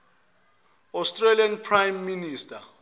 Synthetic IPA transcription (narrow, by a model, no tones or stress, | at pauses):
ɔstʼralianpʰrajmːinistʰʼa